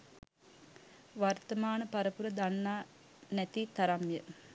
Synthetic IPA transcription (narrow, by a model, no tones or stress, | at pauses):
ʋart̪əmaːnəpaɾəpuɾəd̪anːaː | næt̪it̪aɾamjə